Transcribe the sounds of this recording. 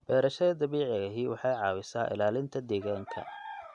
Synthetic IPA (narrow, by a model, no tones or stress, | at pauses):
b̥ɛːɾɐʃɐðɐd̪ɐβiːʕɪɣɐɦiːwɑħɑjʕɑːwɪsaːʔɪ̰laːlɪnt̪ʰɐd̪ɛːɣaːŋkʰɐ̰